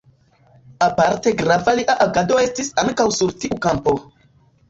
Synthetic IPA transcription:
apaɾte̞ɡɾavaliʔaʔaɡado̞e̞stisaŋkawsuɾtiʔukampo̞

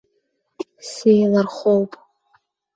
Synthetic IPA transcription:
sejlarχʷowpʼ

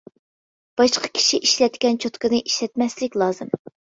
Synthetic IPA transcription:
b̥ɑʃqʰə̥kʲʰi̥ʃiʔiʃlɛt̪kʲɛnt͡ʃʰot̪kɨnɨʔiʃlɛt̪̚mɛslɪkʲlˠɑːzɨm

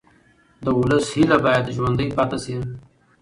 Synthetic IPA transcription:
d̪əʊləshilabajad̪ʒwand̪əjpat̪asi

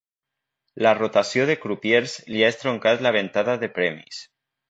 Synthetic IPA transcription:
larot̪asjoð̞ekɾupjeɾzliaest̪ɾoŋkat̪laβ̞ent̪aðaðepɾɛmḭs

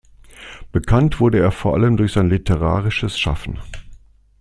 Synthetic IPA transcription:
b̥əkʰantv̥ʊɐdəeːɐfoːɐʔaləmdʊɐçz̥aɪnlitʰəʁ̞aːʁɪʃəsʃa̰fn̩

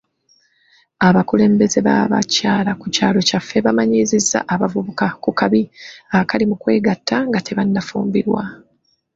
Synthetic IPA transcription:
aβakule̞ːmbe̞ze̞βa̰βa̰caːlakucaːlo̞cafːe̞βamaɲizizːa̰ʔaβavuβukakukaβiakalimukwe̞ːɡatʰːaŋɡatʰe̞βanːafṵːmbiɾwa̰

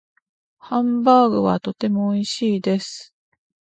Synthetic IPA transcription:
hãmbaːɡɯ̟̰βa̰t̪o̞t̪e̞mo̞ːiɕiːd̪e̞sɨ̥

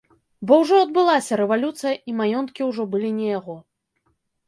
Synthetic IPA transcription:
bɔwʐɔɐd̪̚bɨlˠasʲɐɾɛvalʲut̪sɨjɐʔimajɔnt̪̚kʲiwʐɔbɨlʲinʲɛjaɣɔ

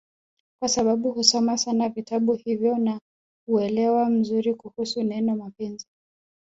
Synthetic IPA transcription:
kwasaɓaɓuhusɔmasanavitaɓuhivjɔna | uɛlɛwam̩zuɾikuhusunɛnɔmapɛnzi

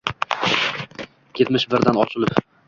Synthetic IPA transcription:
jet̪mɪʃbɪɾd̪anɒt͡ʃʰɪlˠɪp

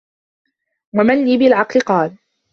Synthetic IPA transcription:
wamanliːbɪlʕɑqlɪqɑːl

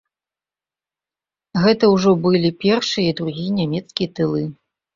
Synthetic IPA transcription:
ɣɛt̪ɐwʐɔbɨlʲipʲɛrʂɨjɐid̪ɾuɣʲijɐnʲamʲɛt̪skʲijɐt̪ɨlˠɨ

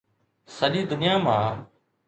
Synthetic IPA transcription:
səɗĩːd̪ʊnɪjaːmã̰ː

